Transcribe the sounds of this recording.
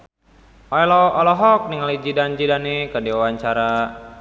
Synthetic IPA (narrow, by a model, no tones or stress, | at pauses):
ʔɔjlɔɔlɔɦɔk̚niŋalid͡ʒidand͡ʒidanikadiwawaɲt͡ʃaɾa